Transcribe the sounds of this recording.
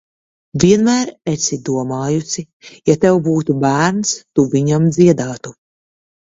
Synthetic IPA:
viɛnmæːɾesid̪uɔmaːjusi | jat̪ɛwbuːt̪ubæːɾnst̪uviɲamd̪ziɛd̪aːt̪u

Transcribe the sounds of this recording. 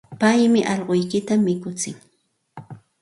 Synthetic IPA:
pajmɪʔɑʎɢojkɪt̪amːɪkʊt͡sɪŋ

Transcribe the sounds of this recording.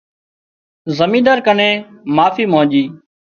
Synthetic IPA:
zəmĩːd̪aːɾkənẽːmaːfiːmõːʄiː

